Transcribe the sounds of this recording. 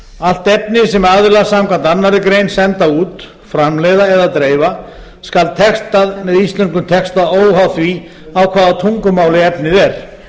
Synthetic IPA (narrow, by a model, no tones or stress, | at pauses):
al̥t̪ɛp̚nɪsɛmaɣðɪɾlasamkʰant̪anːaɾɪkɾejnsɛnt̪auːt̪ | fɾamlɛðaɛðat̪ɾeːjva | skalt̪ʰɛkst̪aðmɛðist̪lɛnkʏmt̪ʰɛkst̪aðoːwɦawθvi | awkʰvaːðat̪ʰuŋkʏmawlɪɛpnɪðɛɾ̥